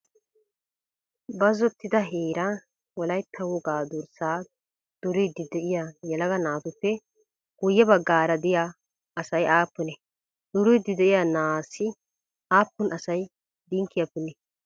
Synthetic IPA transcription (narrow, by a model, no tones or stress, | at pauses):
bɐzɔt̪ːɪd̪ɐɦeːɾɐ | wɔlɐjt̪ʰːɐwɔɡaːd̪ʊɾsaː | d̪̥ʊɾʊjd̪ɪd̪ɛʔɪjajɛlɐɡɐnaːt̪ʊpːɛ | ɡ̥ʊjːɛbɐɡːaːɾɐd̪ɪja | ɐsɐjaːpːʊnɛ | d̪̥ʊɾʊjd̪ɪd̪ɛʔɪjanaːsɪ | aːpːʊnʔɐsɐj | d̪ɪŋkːɪjapːʊnɛ